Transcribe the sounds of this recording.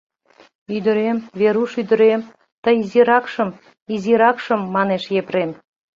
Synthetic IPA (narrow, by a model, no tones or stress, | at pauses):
yd̪ə̆ɾemveɾuʃyd̪ə̆ɾem | t̪əjziɾɑkʃə̆m | iziɾɑkʃə̆mːɑneʃjepɾem